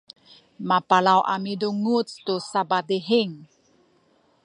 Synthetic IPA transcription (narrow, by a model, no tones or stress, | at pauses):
mapalawʔa̰miduŋut͡st̪usabadiɦiŋ